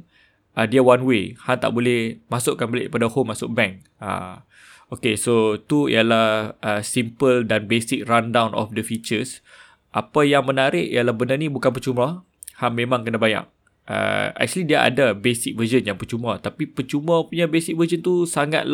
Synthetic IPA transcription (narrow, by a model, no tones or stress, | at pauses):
ədiawanwehant̪a̰ʔbolɛhmasʊʔkːanbəleʔəpadahomːasʊk̚bɛ̃ŋ | a̰ | okesot̪uḭjalahʔəsimpəldanbesɪk̚randawnʔɔ̰fdəfit͡ʃəs | ʔapajaŋmənaɾɪʔḭjalahbənarnibukanpət͡ʃumə | hanmẽmãŋkənabaɲa̰ʔ̚ | ʔə̰ɛ̰k̚t͡ʃuəlidiaʔa̰dabesik̚vəzənjaŋpərt͡ʃumət̪apipərt͡ʃuməpuɲabesik̚vəd͡ʒənt̪usaŋa̰t̪̚l